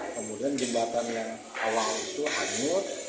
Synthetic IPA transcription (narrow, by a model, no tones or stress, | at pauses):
kəmudiand͡ʒəbat̪anjaŋ | a̰walit̪uʔaɲʊt̪